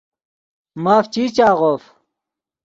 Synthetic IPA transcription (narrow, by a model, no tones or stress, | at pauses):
maːft͡ɕiːt͡ɕaːʁoːf